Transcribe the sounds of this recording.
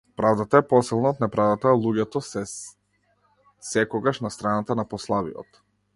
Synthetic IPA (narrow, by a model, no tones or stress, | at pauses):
pɾavd̪at̪aɛpɔsilˠnaɔt̪nɛpɾavd̪at̪alˠuɟɛt̪ɔsɛ | sɛkɔɡaʃnast̪ɾanat̪anapɔslˠavḭjɔ̰t̪